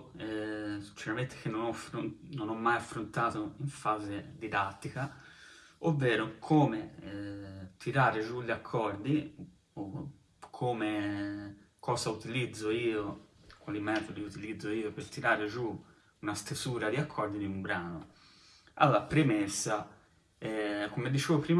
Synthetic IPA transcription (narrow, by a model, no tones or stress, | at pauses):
ɛt͡ʃɛɾament̪e̥k̟enːonɔfɾononɔmːajafːɾont̪aːt̪oiɱfaːzed̪id̪at̪ːika | ovːɛːɾokʰoːme | t̪ʰiɾaːɾed͡ʒuʎːakʰːɔrd̪i | o | kʰːoːme | kʰɔːsaut̪ilid̪zːoiːokwalimɛːt̪od̪iut̪ilid̪zːoiːopeɾt̪ːiɾaːɾed͡ʒu | unast̪esuːɾad̪iakʰːɔrd̪iniumbɾaːno | a̰lːapɾemesːa | ɛkomed̪it͡ʃeːvopɾiːm